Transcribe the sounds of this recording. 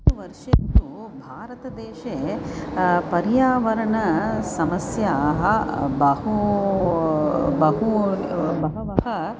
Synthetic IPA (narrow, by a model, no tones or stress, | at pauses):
uʋɐɾʂɐɾnd̪ubʱaːɾɐt̪ɐd̪eːʃe | pɐɾjaːʋɐɾɐɳɐsɐmɐsjaɦɐbɐɦu | bɐɦu | bɐɦɐʋɐɦɐ